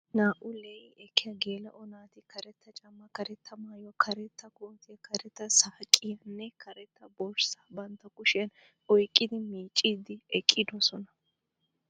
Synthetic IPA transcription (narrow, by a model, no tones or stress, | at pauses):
naːʔʊlejɛkʰːɪjɐɡe̞ːlɐʔɔnaːt̪ɪkɐɾɛt̪ːɐt͡ʃʼɐmːɐkɐɾɛt̪ʰːɐmaːjɔkʰɐɾɛt̪ːɐkoːt̪ɪjɐkʰɐɾɛt̪ːɐsɐhɐkʼːɪjɐnːɛkʰɐɾɛt̪ːɐbɔɾsɐ̥bɐnt̪ːɐkʊʃɪjɐn | ɔjkʼːɪd̪ɪmiːt͡ʃʼːiːd̪ɪɛkʼːɪd̪ɔsɔnɐ